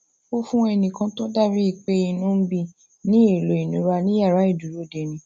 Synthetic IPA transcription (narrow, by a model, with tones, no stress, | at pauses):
o˦fũ˦ɛ˧nĩ˨kã˧to˦da˦˨ɾi˦i˦˨k͡pe˦i˧nũ˦bi˧˨ | nĩ˦e˦˨lo˨i˨nũ˨˦ɾa˧nĩ˦ja˦˨ɾa˨˦i˦˨du˨ɾo˨˦de˧˨nĩ˧˦